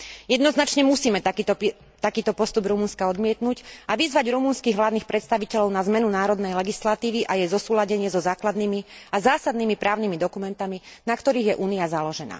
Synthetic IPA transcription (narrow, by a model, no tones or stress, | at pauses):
jɛd̪nɔznat͡ʃɲɛmusiːmɛt̪ | t̪akiːt̪ɔpɔst̪ubɾumunskaɔd̪mɪɛt̪nuɟaʋizʋaɟɾumunskiːɣʋlaːdnixpɾɛt̪st̪aʋicɛʎɔʊnazmɛnunaːɾɔd̪nɛjlɛɡislat̪iːʋiʔajɛzɔsuːlaɟɛɲɪɛzɔzaːklad̪niːmiazaːsad̪niːmipɾʔaːʊnimid̪ɔkumɛnt̪aminakt̪ɔɾiːɣjɛʔuːniazalɔʒɛna̰ː